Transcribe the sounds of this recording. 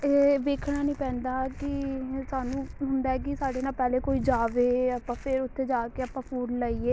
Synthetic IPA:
eʋeːkʰɽaːnĩːpɛ̃ːnd̪aːkɪsaːnũːɦʊnd̪aːɛːk̬ɪsaːɖeːnaːlpɛːleːkoːiːd͡ʒaːʋeːəpãːpʰɪɾʊt̪ʰːeːd͡ʒaːkeːəpːãːpʰuːɾlaːiːeː

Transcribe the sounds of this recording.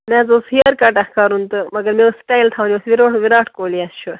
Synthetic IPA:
meːzoːshijɐɾkaʈɐxkaːɾunt̪ɨmɐɡɐɾmeosʈaːjlt̪ʰawniosʋiɾoːʈʋiɾaːʈʰkoːliɐsʃʰu

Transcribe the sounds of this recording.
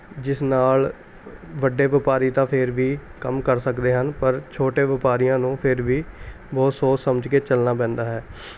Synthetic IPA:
d͡ʒɪsnaːl | ʋəɖeːʋɪpaːɾiːt̪ãːpʰɪɾʋiːkəmkəɾsəkd̪eːɦənpəɾt͡ʃʰoːʈeːʋɪpaːɾijãːnũːpʰɪɾʋiː | bɔːt̪soːssəməd͡ʒkeːt͡ʃəlnaːp̬ɛ̃ːnd̪aːɦɛː

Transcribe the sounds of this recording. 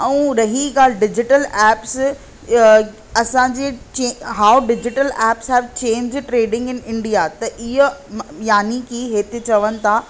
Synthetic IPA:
ɛ̃ːɾɐɦiɡaːl̤ɪɖɪd͡ʑɪʈəlɛːps | ɐsãɲd͡ʑeːt͡ɕeɦaːwɖɪd͡ʑɪʈəlɛːpsɦɛːʋt͡ɕẽːɲd͡ʑʈɾeːɖɪ̃ŋɡɪnɪ̃ɳɖijat̪ɐʔɪɦojaːnikʰiɦeːt̪ɪt͡ɕɐʋənɪ̆t̪ʰaː

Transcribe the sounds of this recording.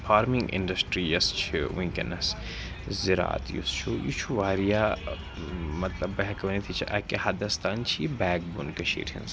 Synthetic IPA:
faːɾmĩŋɡḭnɖɐsʈɾijɐst͡ʃʰiĩŋkɐnɐs | ziɾa̰ːt̪jṵst͡ʃʰujṵt͡ʃʰuʋaːɾija | mɐt̪lɐbːɐɦɐkɐʋɐnit̪ʰit͡ʃʰiʔɐkehɐd̪ɐst̪aːnt͡ʃʰibɛːk̚bunkɐʃḭːɾʰḭnz

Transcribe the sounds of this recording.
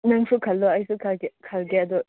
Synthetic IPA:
nɯŋsukʰɐlːɔajsukʰkʰalɡɛdɔ

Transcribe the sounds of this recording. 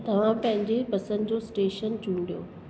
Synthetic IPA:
t̪ɐʋ̤ãpɐ̃ɦɪ̃ɲd͡ʑepɐsə̃nd͡ʑosʈeːʃənt͡ɕũːɳɖijo̰ː

